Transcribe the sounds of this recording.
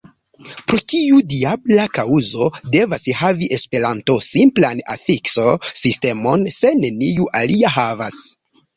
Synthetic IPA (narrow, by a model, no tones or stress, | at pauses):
pɾo̞tiudiablakauzo̞de̞vashaviʔe̞spe̞ɾanto̞simplana̰fikso̞siste̞mo̞nse̞ne̞nijuʔaliaɦavas